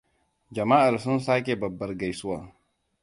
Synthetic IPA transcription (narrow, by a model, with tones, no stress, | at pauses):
d͡ʒa˨maː˦ʔa˨ɾsu˦nsaː˦k̬e˨bɐ˨bːɐ˨ɾɡa˨jsu˦waː˨